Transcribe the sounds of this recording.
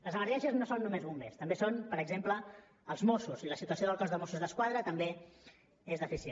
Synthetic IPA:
ləzəməɾʒɛʃiəznosonːumezβumbḛst̪əmbesonpəɾəɡzemplə | əlˠzmosuziləsit̪uəsioðəlˠkɔzðəmosuzðəskwaðɾət̪əmbe | ezðəfisie

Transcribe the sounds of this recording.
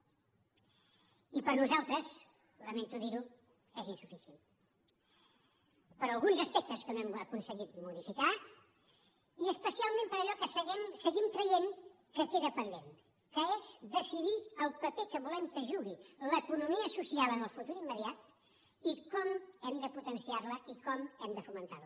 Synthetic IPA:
ipəɾnuzalˠt̪ɾəz | ləment̪uðiɾu | ezinsufisjen | pəɾəlˠɣunzəspɛk̚t̪əskənoɛməkunsəɣit̪muðifika | iəspəsialˠmẽmpəɾəʎɔkəsəɣɛmsəɣimkɾəjeŋ | kəkeðəpənd̪en | kəezd̪əsiðiəlˠpəpekəβulɛmkəʒuɣiləkunumiəːsusiaβənəlˠfut̪uɾimːəðiat̪ | ikɔmɛmd̪əput̪ənsiarləʔikɔmɛmd̪əfumənt̪a̰ɾl

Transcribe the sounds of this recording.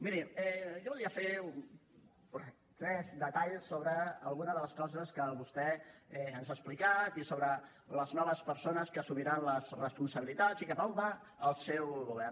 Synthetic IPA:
miɾiɛʒɔβulˠiəfeun | pɾ | t̪ɾɛzd̪ət̪aʎsːoβɾəːlˠɣunəðələskɔzəskəβust̪ɛɛənzasplikat̪isoβɾə | ləznɔβəspəɾsonəskəsumiɾanləzrəspunsəβilit̪asikəpamba | əlˠsɛwɣuβɛr

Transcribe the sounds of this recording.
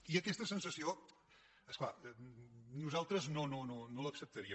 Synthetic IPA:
iəkɛst̪əsənsəsio | əskla | nuzalˠt̪ɾəznonononoləksəp̚t̪əɾiə

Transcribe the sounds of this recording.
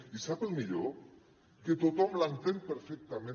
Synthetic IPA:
isapelmiʎo | ket̪ot̪ɔmlant̪empeɾfek̚t̪amẽ

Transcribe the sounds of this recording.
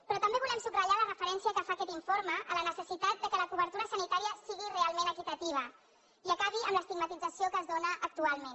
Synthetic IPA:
pɾɔt̪əmbeβulɛmsuɡrəʎalərəfəɾɛnsiəkəfakɛt̪iɱfoɾməʔələnəsəsit̪at̪̚d̪əkələkuβəɾt̪uɾəsənit̪aɾiəsiɣirealˠmenəkit̪ət̪iβ̞ə | iəkaβiəmləst̪iɡmət̪id͡zəsiokəːzðonəʔːk̚t̪ualˠmen

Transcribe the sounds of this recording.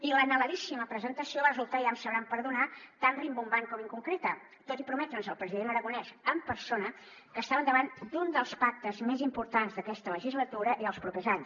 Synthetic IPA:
ilənələðisiməpɾəzənt̪əsioβaəzulˠt̪aiamsəβɾampəɾðunat̪anrimbumbaŋkɔmiŋkuŋkɾet̪ə | t̪ot̪ipɾumɛt̪ɾənzəlˠpɾəziðenəɾəɣunɛzəmpəɾsonə | kəːst̪aβənd̪əβand̪und̪əlˠspak̚t̪əzmezimpuɾt̪anzðəkɛst̪ələʒizlət̪uɾəʔiðəlˠspɾupezaɲs

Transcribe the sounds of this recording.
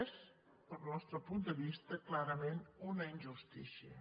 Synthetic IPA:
s | d̪̥əlˠnɔst̪ɾəpund̪əβist̪əklaɾəmenunəinʲʒust̪ḭsiə̰

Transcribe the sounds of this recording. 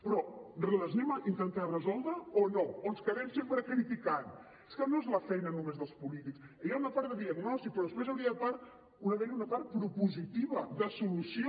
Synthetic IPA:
pɾɔrləznɛmint̪ənt̪arəzɔlˠd̪ɾəonoonskəðɛmsempɾəkɾit̪ikan | e̥skənoezləfɛjnənumezðəlˠspulit̪iksəjaunəpaɾt̪d̪əðiəɡnɔst̪ik̚pɾɔðəspɾezəwɾiəpaɾt̪ | unəðɛʎunəpaɾt̪̚pɾupuzit̪iβəðəsulusio

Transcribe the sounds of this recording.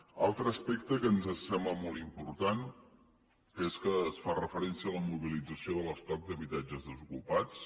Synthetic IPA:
alˠt̪ɾəːspɛkt̪əkənzəsɛmləmɔlˠt̪impuɾt̪an | eskəːsfarəfəɾɛnsiələmuβilid͡zəsioðələst̪ɔk̚d̪əβit̪ad͡ʒəzðəzukupat͡s

